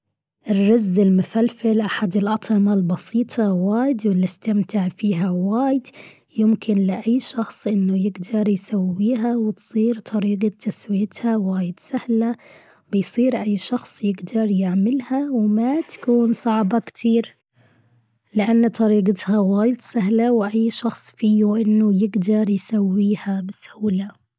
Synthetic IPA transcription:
ʔɪrːɑzːɪlmʊfalfɪlʔaħad̪ɪlʔɑt̪ˤʰɑmalbɑsiːt̪ˤʰɑwaːjɪd̪wɪlːɪst̪amt̪ɪʕfiːɦawaːjɪd̪ | jɪmkʰɪnlɪʔajːʃɑxsˤʔɪnːʊjɪɡd̪ɑɾˤjsawːiːɦawɪt̪sˤiːɾt̪ˤʰɑɾiːɡat̪ʰːaswijat̪hawaːjɪd̪sahla | bɪjsˤiːɾʔajːʃɑxsˤjɪɡd̪ɑɾˤjɪʕmɪlhawmat̪ḁkuːnsˤɑʕbɑkt̪ʰiːɾ | lɪʔanːt̪ˤɑɾiːɡɪt̪hawaːjɪd̪saɦlawʔajːʃɑxsˤfiːuʔɪnːʊjɪɡd̪ɑɾˤjsawːiːhabɪsaːla

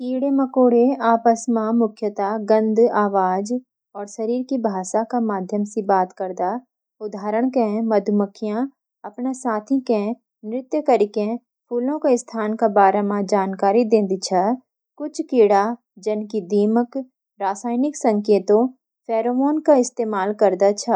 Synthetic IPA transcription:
kiːɽeməkoːɽeaːpəsmãmʊkʰjət̪aɡə̃nd̪aːʋaːd͡ʒ | ɔːɾʃɐɾiːɾkibʱaːʃakamaːd̪ʱjəmsibaːt̪kəɾd̪a | ʊd̪ʱaːɾəɽ̃kẽmɐd̪ʱməkʰjã | ɐpnasaːt̪ʰikẽ | nɾɪt̪jəkəɾɪkẽ | pʰuːlõkaɪst̪ʰaːnkabaːɾamãd͡ʒaːnkaːɾid̪ẽːnd̪it͡ʃʰɐ | kʊt͡ʃʰkiːɽa | d͡ʒənkid̪iːmək | ɾaːsaːɪnɪksə̃ŋkeːt̪õ | pʰɛːɾomoːnkaɪst̪eːmaːlkəɾd̪at͡ʃʰɐ

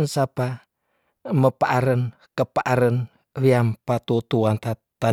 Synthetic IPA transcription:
nsapa | məpaʔaɾən | kəpaʔaɾən | wiampat̪ut̪uant̪at̪a

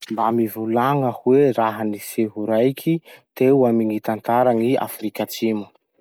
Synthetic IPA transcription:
mbamivulaŋəkuweɾaɦaniseɦuɾajkʰit̪ewamiŋit̪ant̪aɾaŋia̰fɾikat͡simu̥

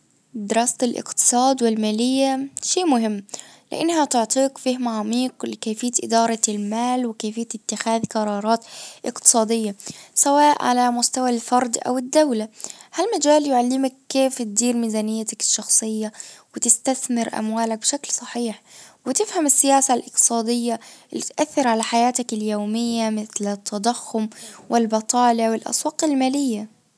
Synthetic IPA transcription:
d̪ɪɾˤɑːst̪alʔɪ̰qt̪ɨ̥sˤɑːd̪wɪlmaːlɪjːaʃeːmʊhɪmː | lɪ̰ʔa̰nːhat̪ʊʕt̪ˤiːkfɪhmaʕamiːqlɪkeːfɪjːat̪ʔɪd̪ɑːɾˤɑlmaːlwɪkeːfɪjːat̪ɪt̪ːɪxaːðqɑɾˤɑːɾˤɑːt̪ʔɪqt̪ɨ̥sˤɑːd̪ɪjːasawaːʔʕa̰lamʊst̪awalfɑɾˤd̪ʔa̰wɪd̪ːawlahalmad͡ʒaːljʊʕalːɪmakːeːft̪̚d̪iːɾmizaːnɪjːat̪akɪ̥ʃːɑxsˤɨjːawɪt̪ɪst̪aθmɪɾʔa̰mwaːlak̚bɪʃaklsˤɑħiːħwɪt̪ɪfhamɪsːɪjaːsalʔɪq̚t̪ɨ̥sˤɑːd̪ɪjːalːɪt̪ʔaθːɪɾʕalaħajaːt̪akɪljoːmɪjːamɪθlɪt̪ʰːad̪ˤaxːʊmwɪlbɑt̪ˤɑːljawɪlʔɑ̰sˤwɑːqɪlmaːlɪjːa

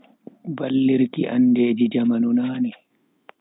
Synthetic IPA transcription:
balːiɾkiʔa̰ndeːd͡ʒid͡ʒamanunaːnɛ

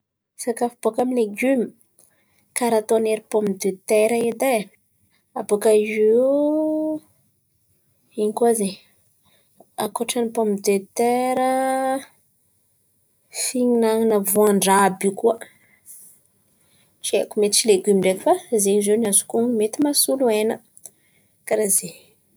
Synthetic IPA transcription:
sakafib̥okamileɡymi̥ | kaɾat̪oneɾipomd̪øt̪eɾaed̪a | abokaze | iɲikuaze | akoʈ͡ʂanipompd̪et̪eɾə | fiɲinaŋinəvuaɳɖ͡ʐabikuə | t͡ʃiḛkumet̪it͡ʃileɡymiɖ͡ʐefəzeizeniazu̥kumet̪imasuluenə | kaɾaze

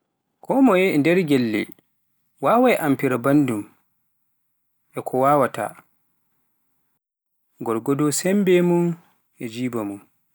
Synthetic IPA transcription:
kʰɔmɔjɛndɛɾɡɛlːɛ̰ | wawajʔampiɾabandum | ʔɛkʰɔwawata̰ | ɡɔɾɡɔdɔsɛmbɛmun | ʔɛd͡ʒiːbamun

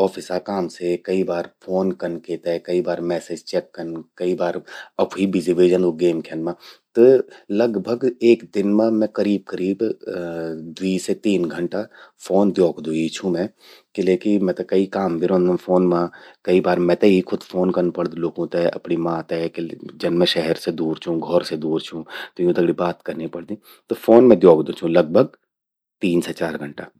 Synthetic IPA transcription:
ɔːfʰɪsakaːmsekɐibaːɾpʰoːnkɐnkeːt̪ɛkɐibaːɾmɛːseːd͡ʒt͡ʃɛːkːənkɐibaːɾɐpːibʱɪziʋeːd͡ʒə̃nd̪oɡeːmkʰɛnmãt̪əlɐɡbʱəɡeːkd̪ɪnmãmɛ̃kɐɾiːb̚kəɾiːb | d̪wiːset̪iːnɡʱə̃ɳʈafʰoːnd̪joːkd̪ũit͡ʃʰũmɛ̃ː | kɪleːkimɛ̃ːt̪ɐkɐikaːmbʱiɾõːnd̪aũfoːnmãkɐibaːɾmɛ̃ːt̪ɐɦikʰʊd̪foːnkɐɾnpɐɽd̪loːɡõt̪ɛɐ̰pnimãːt̪ɛked͡ʒɐnmɛ̃ʃɛɦɛɾsed̪uːɾt͡ʃʰũɡʱɔɾsed̪uːɾt͡ʃʰũt̪ojũd̪ɐɡɽibaːt̪kɐɾnipɐɽd̪ĩː | t̪ofoːnmɛ̃d̪joːɡd̪ũt͡ʃʰũlɐɡ̚bʱəɡ̚ | t̪iːnset͡ʃaːɾɡʱɐ̃ɳʈaː

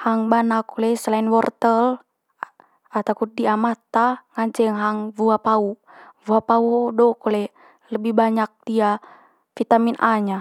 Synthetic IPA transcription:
haŋbanakulɛsəlainwɔrt̪əl | at̪akudiamat̪aŋaɲt͡ʃɛŋɦaŋvuapau | vuapaudɔkɔlɛ | ləbihbaɲak̚d̥ia | fit̪aminʔaɲa

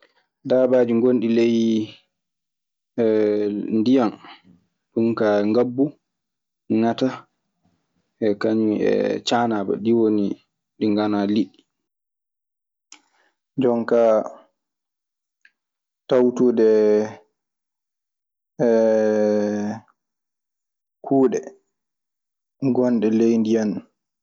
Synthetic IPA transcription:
daːbaːd͡ʒiŋɡonɗileji | ɛndijan | ɗumkaŋɡabːu | ŋata | ɛkaɲiɛ̰t͡ʃaːnaːba̰ɗiwoni | ɗiŋɡanaliɗi | d͡ʒɔŋka | tawtuːɗɛ | kʰuːɗɛ | ɡɔnɗɛlejndijan

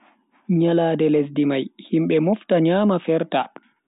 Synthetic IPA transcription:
ɲalaːdɛles̬dimajhimɓɛmuftaɲaːmafɛɾta

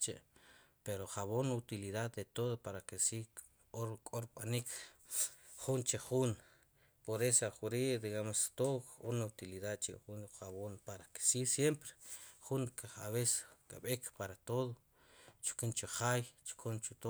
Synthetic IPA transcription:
t͡ʃeʔpeɾoχaβonut̪iliðaðd̪et̪oðopaɾakesi | oɾkʼoɾɓanik | χunt͡ʃeχun | poɾesaχuɾid̪iɣamost̪okunut̪iliðaðt͡ʃḭχunχaβonpaɾake̥sisjempɾe̥χunkaa̰βese̥kʼa̰ɓekpaɾat̪oðo | t͡ʃu̥kunt͡ʃoχajt͡ʃu̥kʰunt͡ʃut̪o

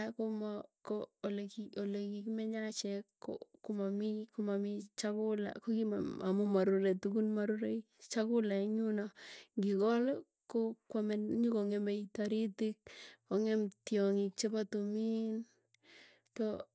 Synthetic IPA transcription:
komakolekiolekikimeɲat͡ʃɛkːo̰kumamikumamit͡ʃakʊla̰kokimamumaɾuɾetukunmaɾuɾej | t͡ʃakulaɲunaŋɡikɔl | kokwameɲikoŋemejtaɾitik̚oŋemtjɔŋik̚t͡ʃepatumin | ko

